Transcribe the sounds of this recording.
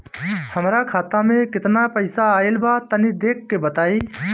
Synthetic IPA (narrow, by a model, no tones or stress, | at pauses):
həmɾaːkʰaːt̪ãːmẽkɪt̪naːpəɪsaːɪlbʱaːt̪əniːd̪eːkʰːeːbət̪aːiː